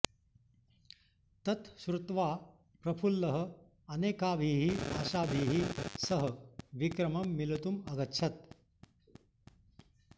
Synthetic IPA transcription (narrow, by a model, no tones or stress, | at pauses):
t̪ɐt̪ʃɾut̪ʋaː | pɾɐpʰulːɐɦə̆ | ɐneːkaːʋʱiːɦia̰ːʃaːʋʱiːɦisɐɦɐʋikɾɐmɐmːilɐt̪umɐɡɐtːɕʰɐt̪̚